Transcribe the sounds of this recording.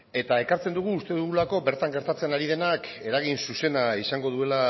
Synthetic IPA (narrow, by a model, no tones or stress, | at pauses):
e̞t̪ae̞kaɾt͡se̞nd̪uɣ̞uːst̪e̞ðuɣulako̞be̞ɾt̪aŋɡe̞ɾt̪at͡se̞naɾið̞e̞nake̞ɾaɣ̞insuse̞naisaŋɡo̞ð̞ue̞la